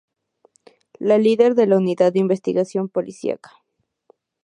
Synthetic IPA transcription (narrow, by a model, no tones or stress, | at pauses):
laliðeɾðelauniðad̪ːeimbest̪iɣasjo̞mpolʔisjḭa̰kḁ